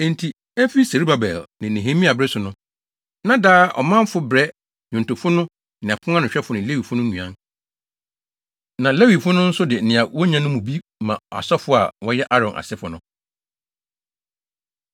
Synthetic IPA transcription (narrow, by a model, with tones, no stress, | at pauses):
ẽ˨n˨tʰi˨ | e˦fi˦se˨ɾi˦ba˨bɛ̰˨lnɪ̃˨nẽ˨ɦẽ˦mĩ˦a˨bɾɛ˦sʊ˨nʊ̃˦ | nã˦daː˦ʔɔ̰˨mã˦m˦fʊ˦bɾɛ˦ | ɲʊ̃˨n˨tʊ˨fʊ˦nʊ̃˦ | nɪ̃˨a˨kʰʊ̃˦a˦nʊ̃˨ɕᶣɛ˦fʊ˨nɪ̃˨le˦wi˨fʊ̃˦nʊ̃˦ɲũ˨ã˦n | nã˨le˦wi˨fʊ˦nʊ̃˦n̩˦sʊ˦dɪ˨nɪ̃˨a˨wɔ˦ɲã˦nʊ̃˦mũ˨bi˦mã̰˨a̰˨sɔ˦fʊ˦a̰˨wɔ˦jɛ˦ʔa˦ɾɔ̃˨nʔa̰˨sɪ˦fʊ˨nʊ̃˦